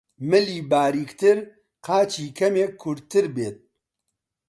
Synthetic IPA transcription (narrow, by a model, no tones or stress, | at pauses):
mɨliːbaːɾiːkt̪ɨɾ | qʰaːt͡ʃʰiːkʰɐmekʰːʊɾt̪ɨɾbeːt̪̚